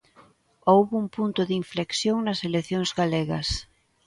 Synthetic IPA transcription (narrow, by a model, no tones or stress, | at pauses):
owβuŋpunt̪ʊðiɱfleksjoŋnɐseleθjoŋzɣaleɣɐs